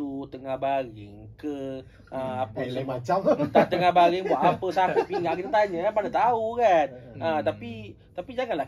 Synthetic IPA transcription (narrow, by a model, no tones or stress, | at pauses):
ut̪əŋahbaɾɪ̰ŋkə | ʔəmapəmat͡ʃamət̪at̪əŋahbaɾiŋbuat̪apəsaupiŋaʔkit̪at̪aɲakanpanat̪aukanət̪api | t̪apid͡ʒaŋanlah